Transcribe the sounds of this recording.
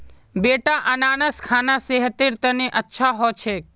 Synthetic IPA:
beːʈaʔənaːnəskʰaːnaseɦət̪iɾt̪əniʔətːʃʰaɦot͡ʃʰe

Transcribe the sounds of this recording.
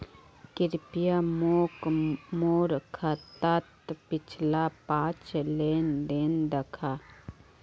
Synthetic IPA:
kɪɾpijamoːkmoːɾkʰət̪ət̪pɪt͡ʃʰlapãːt͡ʃleːnd̪eːnd̪əkʰaː

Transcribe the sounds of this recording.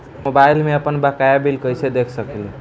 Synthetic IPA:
mobailmeəpənbakajabilkəjsʰed̪ekʰsəkil

